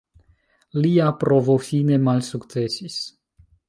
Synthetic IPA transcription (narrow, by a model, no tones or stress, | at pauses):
liapɾovofinemalʲsukt̪sesisʲ